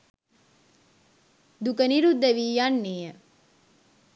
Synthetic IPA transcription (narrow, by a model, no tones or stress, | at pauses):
d̪ukəniɾud̪ːəʋiːjanːeːjə